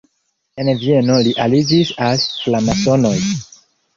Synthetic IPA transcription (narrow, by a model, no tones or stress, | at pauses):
envie̞no̞liʔalid͡ʒisalflamaso̞no̞j